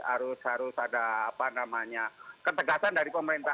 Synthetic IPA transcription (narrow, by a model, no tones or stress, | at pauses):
a̰ɾʊshaɾʊsadaːpanamaɲakət̪əɡasandaɾipəməɾint̪a